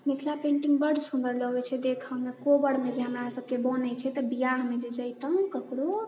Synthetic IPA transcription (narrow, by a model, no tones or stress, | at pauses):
mik̪ʰlapẽɳʈiŋɡbəɖsũnd̪əɾləɡɛt͡ʃʰɛd̪ekʰəmekobəɽmed͡ʒeɦəmɾasəb̚kebɔnət͡ʃʰɛt̪ɔbijaɦmed͡ʒed͡ʒəjt̪əɦũkəkɽo